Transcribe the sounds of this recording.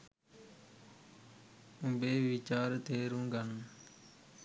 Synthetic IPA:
ũbeːʋɪt͡ʃaːɾt̪eːɾũːɡʱən

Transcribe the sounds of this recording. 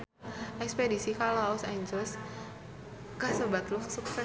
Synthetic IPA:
ʔɛkspedisikalaɔsajɲd͡ʒɔs | kahsəbat̪lusuksɛ

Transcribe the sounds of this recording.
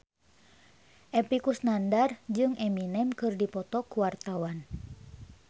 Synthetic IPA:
ʔɛpikusnandard͡ʒɨŋʔɛminɛmkɨrdipɔt̪ɔkuwart̪awan

